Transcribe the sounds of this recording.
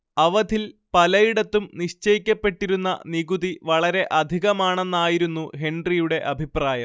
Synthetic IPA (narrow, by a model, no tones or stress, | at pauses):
ɐʋɐd̪ʱilpɐlɐjiɽɐt̪ːumniɕt͡ɕɐjikʲːɐpːe̞ʈːiɾunːɐ̰niɣuðiʋɐɭɐɾe̞ʔɐd̪ʱiɣɐmaːɳenːaːjiɾunːuɦeɳɖrijuɽe̞ʔɐbʱipraːjɐm